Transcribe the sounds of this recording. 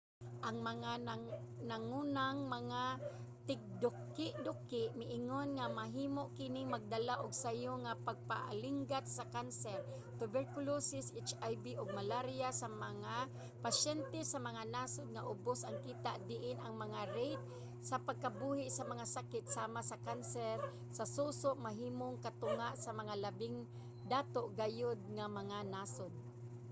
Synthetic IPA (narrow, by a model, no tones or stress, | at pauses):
ʔaŋmaŋananaŋuːnaŋmaŋa | t̪ɪɡ̚d̪ʊkː | ɪʔd̪ʊkɪʔmɪʔɪŋonŋamaɦiːmoʔkɪnɪŋmaɡ̚d̪alaʔʊɡsajʊŋapaɡ̚pa̰ʔa̰liŋɡat̪̚sakansɛɾ | t̪ʊbɛɾkʊlosɪsʔet͡ʃajbiʔʊɡ̚malaɾijasamaŋa | paʃɛnt̪ɛsamaŋanaːsʊd̪̚ŋaʔʊbosʔaŋkiːt̪aʔd̪ɪʔɪnʔaŋmɐŋaɾejt̪̚ | sapaɡ̚kabuːhɪʔsamɐŋasakɪt̪̚saːmasakansɛɾ | sasusoʔmaɦiːmoŋkat̪ʊŋaʔsamɐŋalabɪŋ | d̪aːt̪oʔɡajʊd̪̚ŋamɐŋanasʊd̪̚